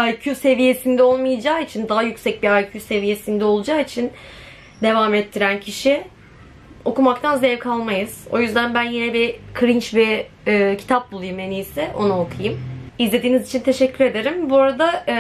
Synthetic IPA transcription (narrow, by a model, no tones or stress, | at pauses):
ajcʰuse̞vije̞sind̪ɛo̞lˠmɯjad͡ʒaːit͡ʃʰind̪aɦajycsɛc̚biajcʰyse̞vije̞sind̪ɛo̞lˠud͡ʒaːit͡ʃʰin | d̪e̞vaːmɛt̪ʰːiɾæncʰiʃɪ | o̞kumakt̪ʰanzɛvkʰalˠmajɯz̥o̞̰jyzd̪ænbænjinɛbikʰɾint͡ʃbɛː | cʰi̥t̪ʰap̚bulˠujumenijsɛʔo̞naokʰɯjɯmizlʲe̞d̪iːnizit͡ʃʰint̪ʰe̞ʃɛcʰːyɾe̞d̪e̞ɾimbuɾad̪a